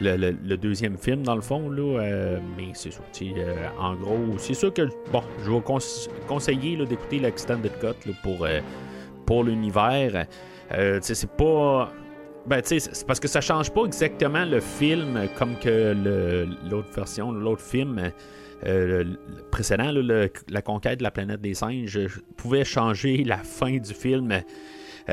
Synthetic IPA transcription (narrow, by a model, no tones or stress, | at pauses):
lələləd̪øːzjɛmfɪlmd̪ɑ̃ləfɔ̃lɔømɛsesɔʁt͡s̪ʰiøɑ̰̃ɡʁosesyːʁkəbɔ̃ʒəvɔkɔ̃skɔ̃sejelɔd̪eku̥t̪elɛɛkst̪ɛ̃nd̪əd̪ɡɔt̪lɔpuʁø | puʁlynivɛːʁ | øt͡sesɛpɔ | bɛ̃t͡sespaʁsə̥kəsaʃɑ̃ːʒpɔɛɡzak̚t̪əmãləfɪlmkʰɔmkʲələloːt̪χvɛʁsjɔ̃lɔloːt̪χfɪlm | ø | pʁesed̪ãlɔləlakɔ̃kʲɛɪt̪̚d̪əlaplanɛt̪̚d̪eːsɛ̃ɪ̃ʒəpʰuvɛʃɑ̃ːʒelafɛ̃d̪d͡zyfɪlm